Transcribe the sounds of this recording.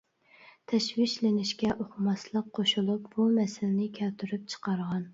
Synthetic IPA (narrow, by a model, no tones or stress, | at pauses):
t̪ʰɛʃwɪʃlɪnɪʃkʲɛʔoχmɑslˠəqqʰːoʃulˠupb̥umɛsɪlnɪkʲʰælt̪ʰyɾyp̚t͡ʃʰə̥qɑɾʁɑn